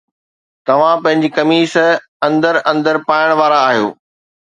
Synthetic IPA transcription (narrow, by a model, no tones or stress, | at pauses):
t̪ɐʋ̤ãpɐ̃ɦɪ̃ɲd͡ʑikɐmiːs | ɐ̃nd̪əɾɐ̃nd̪əɾpaːɪəɽ̃ʋaːɾaːɦijo̰ː